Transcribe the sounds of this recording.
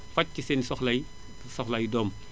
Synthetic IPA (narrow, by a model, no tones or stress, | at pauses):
fɐc̚kisɛnsɔxlɐj | sɔxlɐjdɔːm